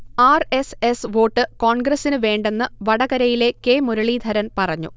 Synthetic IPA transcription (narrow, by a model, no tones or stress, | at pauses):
aːre̞se̞sʋo̞ːʈːɨko̞ːɳɡrɐsinɨʋe̞ːɳɖe̞nːɨʋɐɽɐɣɐɾɐjile̞ke̞ːmuɾɐɭiːd̪ʱɐɾɐnpɐrɐɲːṵ